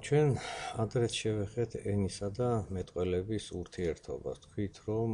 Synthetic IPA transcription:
t͡ʃʰwɛnad̪ɾɛt̪ʰʃɛvɛχɛt̪ʰɛnisad̪amɛt̪ʼqʼwɛlɛbisuɾt̪ʰiɛɾt̪ʰɔ̰ba̰st̪ʰkʰwit̪ʰɾɔm

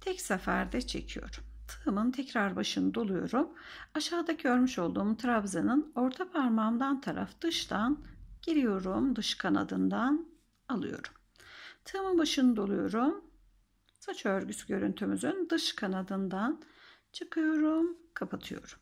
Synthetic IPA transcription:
t̪ʰɛcsafæɾd̪ɛt͡ʃʰe̞̰cʰijo̞̰ɾumt̪ʰɯmɯnt̪ʰɛcɾaɾbaʃɯnɯd̪olˠujo̞̰ɾum | aʃaːd̪aɟø̞ɾmyʃo̞lˠd̪uːmt̪ʰɾabzɯnɯno̞ɾt̪ʰapʰaɾmamd̪ant̪ʰaɾa̰fd̪̥ɯʃt̪ʰanɟ̥eɾʲijo̞ɾumd̪ɯʃkʰana̰d̪ɯnd̪an | alˠɯ̰jo̞̰ɾum | t̪ʰɯːmɯnbaʃɯnɯd̪olˠujo̞ɾum | sat͡ʃʰøɾɟysɟʲø̞ɾynt̪ʰymyzynd̪ɯʃkʰanad̪ɯnd̪an | t͡ʃʰɯkʰɯjo̞ɾumkʰapʰat̪ʰɯjo̞̰ɾum

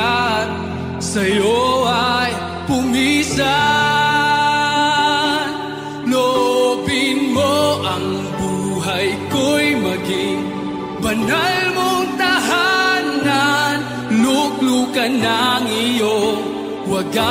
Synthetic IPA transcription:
sɐjoaj | pʊmisa | n | lopɪnmoʔɐŋ | buɦɐjkojmɐɡɪŋ | bɐnalmoŋt̪aɦanan | luklukɐnaŋijoŋ | wɐɡa

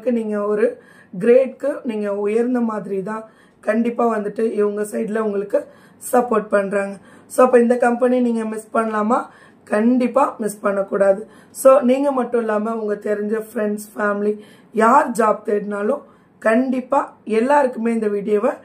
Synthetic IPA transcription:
kːɯniːŋɡɐɔɾɯ | ɡɾeːɖkɯniːŋɡɐʊjɐɾnd̪ɐmaːðɪɾit̪ãː | kɐɳɖɪpːaːʋɐnd̪ɯʈːɯɪʋɯŋɡɐsɐɪɖɪlɐʊŋɡɐɭɯkːɯ | sɐpːoːɾʈ̚pɐɳːɾaːŋɡɐ | soːɐpːɐːɪnd̪ɐkɐmpɛniniːŋɡɐmɪspɐɳːɐlaːmaː | kɐɳɖɪpːaːmɪspɐɳːɐkːuːɽaːðɯ | soːniːŋɡɐmɐʈːʊ̃ɪlːaːmɐʊŋɡɐt̪ɛɾɪɲd͡ʒɐfɾɛɳɖsfaːmɪli | jaːɾd͡ʒaːb̚t̪eːɾnaːlʊ̃ | kɐɳɖɪpːaːɛlːaːɪɾɯkːɯmeːɪnd̪ɐʋiːɽɪjoːʋɛ

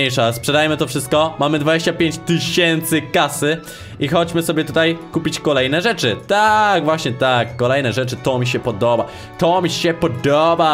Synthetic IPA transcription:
ejʂaspʂɛd̪ajɛmɘt̪ɔfʂɘst̪̚kɔmamɘd̪vad͡ʑeɕt͡ɕapʲjeɲt͡ɕt̪ɨɕɛnt̪sɘkasɘ | ixɔd͡ʑmɘsɔbʲjɛt̪ut̪ajkupʲit͡ɕkɔlɛjnɛʐɛt͡ʂɘt̪aɡvwaɕɲɛt̪akːɔlɛjnɛʐɛt͡ʂɘt̪ɔmʲiɕ̬ɛpɔd̪ɔba | t̪ɔmʲiɕɛpɔd̪ɔba

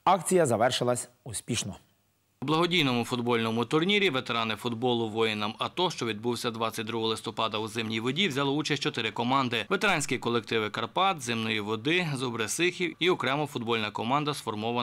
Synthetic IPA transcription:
ɑkt͡sʲijɐzɐʋɛrʃɪlˠɐsʲ | ʊsʲpʲiʃnɔ | ublˠɐɦɔdʲijnɔmʊfʊd̪bɔlʲnɔmʊt̪ʊrnʲiɾʲiʋet̪eɾɑnɪfʊd̪bɔlˠʊʋɔjɪnɐmɐt̪ɔʃt͡ʃɔʋʲid̪̚buwsʲɐd̪ʋɑt͡sʲɐt̚ʲd̪ɾuɦɔlˠɪst̪ɔpɑd̪ɐuzɪmnʲijʋɔdʲiwzʲalˠɔut͡ʃɐsʲt͡ʃɔt̪ɪɾɪkɔmɑnd̪ɪʋet̪eɾɑnʲsʲkʲikɔlˠek̚t̪ɪʋɪkɐrpɑt̪zɪmnɔjiʋɔd̪ɪzɔbɾesɪxʲiwiɔkɾɛmɔfʊd̪bɔlʲnɐkɔmɑnd̪ɐsfɔrmɔʋɐ

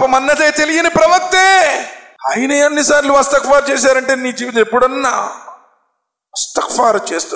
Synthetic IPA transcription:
pɐmɐnːɐd̪eːt̪e̞lijinɐpɾɐʋɐk̚t̪eː | ɐjnɐjɐnːisaːɾiluʋɐst̪ɐkfaːɾt͡ʃeːʃ̬aːɾɐɳʈe̞ːniːd͡ʒiepːuɽɐnːaː | ʋɐst̪ɐkfaːɾt͡ʃeːst̪u

